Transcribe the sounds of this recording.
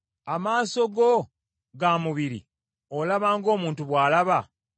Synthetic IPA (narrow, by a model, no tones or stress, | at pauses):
amaːso̞ɡo | ɡamuβiɾḭ | olaβaːŋɡo̞ːmuːntuβwaːlaβa